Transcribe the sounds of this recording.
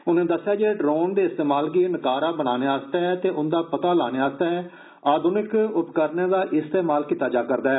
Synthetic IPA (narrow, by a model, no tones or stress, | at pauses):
ʊnẽːd̪əsːɪjaːd͡ʒeːɖɾoːnd̪eːɪst̪eːmaːlɡinəkaːɾaːbəñaːneːaːst̪aːɦɛːt̪eːʔʊnd̪aːpət̪aːlaːneːaːst̪aːɦɛː | aːd̪ʊnɪkʊpkəɾneːd̪aːʔɪst̪eːmaːlkiːt̪aːd͡ʒaːkəɾd̪aːɦɛː